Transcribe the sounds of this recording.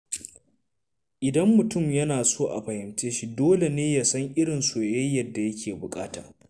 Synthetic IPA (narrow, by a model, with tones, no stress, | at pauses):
ʔɪ˨dɐ˦mːʊ˨tʊ˦˨mjɐ˦naː˨soː˦ʔa̰˨ɸɐ˨hɪ˨mt͡ʃeː˦ʃi˦doː˦le˨neː˦ja˨sɐ˦ŋʔɪ˦ɽɪ˨nsoː˨jɐ˦jːɐ˨rdːa˨jɐ˦kʲeː˨bʊ˨kʼaː˦ta̰ː˨